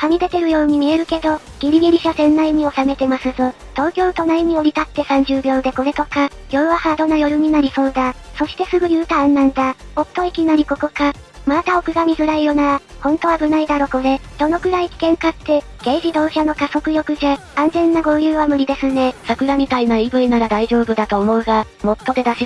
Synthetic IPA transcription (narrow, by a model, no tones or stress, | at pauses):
hamʲid̪e̞t̪e̞ɾɯ̟jo̞ːɲ̟imʲie̞ɾɯ̟ke̞d̪o̞ | ɡ̥ʲiɾʲiɡʲiɾʲiɕasẽ̞nːaiɲ̟io̞same̞t̪e̞masɨzo | t̪o̞ːkʲo̞ːt̪o̞naiɲ̟io̞ɾʲit̪at̪ːe̞sãɲ̟d͡ʑɨːbʲo̞ːd̪e̞ko̞ɾe̞t̪o̞kajo̞ːβahaːd̪o̞najo̞ɾɯ̟ɲ̟inaɾʲiso̞ːd̪aso̞ɕi̥t̪e̞sɨɡɯ̟jɯ̟ːt̪ãːnːãnd̪ao̞t̪ːo̞ikʲinaɾʲiko̞ko̞kamat̪ao̞kɯ̟ɡamʲizɨɾaijo̞naɾahõ̞nt̪o̞βaɡɯ̟naid̪aɾo̞ko̞ɾe̞d̪̥o̞no̞kɯ̟ɾaikʲi̥kẽ̞ŋkat̪ːe̞ | ɡ̥e̞ːʑid̪o̞ːɕano̞kaso̞kɯ̟jo̞kɯ̟ʑaãnzẽ̞nːaɡo̞ːjɯːβamɯ̟ɾʲid̪e̞sɨne̞sakɯ̟ɾamʲit̪ainaibɯ̟inaɾad̪aiʑo̞ːbɯ̟d̪at̪o̞ːmo̞ɯ̟ɡa | mo̞t̪ːo̞d̪e̞d̪aɕi